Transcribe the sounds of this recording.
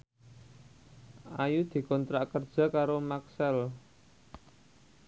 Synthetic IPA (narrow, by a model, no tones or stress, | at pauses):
ʔajud̪̥i̤kɔnt̪ɾaʔkərd̥ʒ̥a̤kaɾomaksɛl